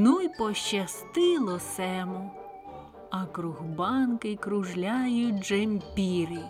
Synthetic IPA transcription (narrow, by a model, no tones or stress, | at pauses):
nujpɔʃt͡ʃɐst̪ɪlˠɔsɛmʊ | ɐkɾuɦbɑnkɪjkɾʊʒlʲajʊd͡ʒemʲpʲiɾɪ